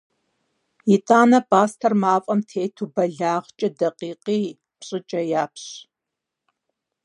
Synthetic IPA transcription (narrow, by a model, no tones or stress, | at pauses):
jitʼaːnɐpʰʼaːstʰɐrmaːfʼɐmtʰeːtʰubɐɮaːʁt͡ʃʼɐdɐqiːqiː | pɕʼɪt͡ʃʼɐjaːpʰɕ